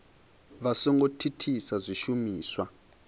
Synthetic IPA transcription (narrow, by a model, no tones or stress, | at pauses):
βasɔŋɡotʰitʰisazʷiʃumiːswa